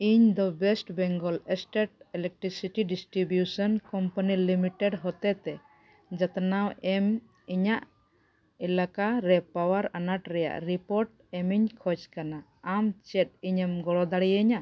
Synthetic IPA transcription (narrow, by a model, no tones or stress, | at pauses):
iɲd̪ɔbɛsʈbɛŋɡɔlɛsʈeʈ̚ɛlɛk̚ʈɾisiʈiɖisʈɾibjusɔnkɔmpanilimiʈɛɖɦɔt̪ɛt̪ɛ | d͡ʒat̪nawɛm | iɲaʔ | ilakaɾɛpawaɾanaʈɾɛja̰ʔɾipɔɾʈ̚ | ɛmiɲkʰɔd͡ʒkanaː | mt͡ʃɛt̪̚iɲɛmɡɔɽɔd̪aɽijəɲa